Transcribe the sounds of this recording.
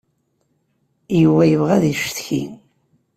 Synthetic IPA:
jəwæjəvʁæðiʃθçḭn

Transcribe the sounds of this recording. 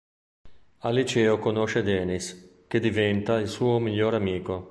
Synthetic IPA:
alit͡ʃɛːokonoʃed̪ɛːnisk̟ed̪ivɛnt̪ailsuːomiʎːoːɾamiːko

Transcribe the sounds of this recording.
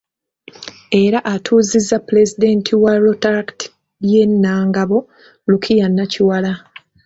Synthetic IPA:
e̞ɾaʔatʰuːzizːapule̞zid̪e̞ntʰiwaɾotaɾkti̥ | ljenːaːŋɡaβo̞ | lukʰijanːaciwala

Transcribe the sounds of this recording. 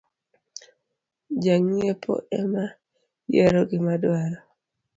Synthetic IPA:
d͡ʒaŋepʰo̰ʔɛma | jɛɾoɡɪmadwaɾɔ

